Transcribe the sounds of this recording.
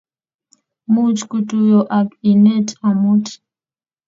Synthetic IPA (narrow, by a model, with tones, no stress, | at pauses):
mu˦t͡ʃku˨tu˦jɔ˨ʔa˨ki˨nɛ˦ta˨mu˦tʰi̥